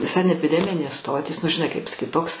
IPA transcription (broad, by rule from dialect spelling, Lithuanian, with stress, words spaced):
sɐnʲɛpʲɪˈdʲæːmʲɪnʲeːs ˈstoːtʲiːs nʊ ʒʲɪˈnɐɪ kɐɪp pɐsɐˈkʲiːt ˈtoːks